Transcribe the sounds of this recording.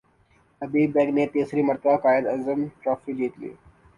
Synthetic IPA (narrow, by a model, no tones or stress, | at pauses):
ɐbiːbɛːɡnet̪eːsɾimɐɾt̪əbakaːjəd̪ɐzəmʈɾɔːfid͡ʒiːt̪lḭː